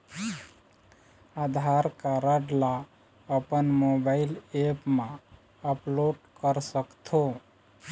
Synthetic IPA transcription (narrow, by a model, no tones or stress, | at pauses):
ad̪ʱaɾkaɾəɖla | əpənmobaɪlepmã | əploɖkəɾsəkt̪ʰo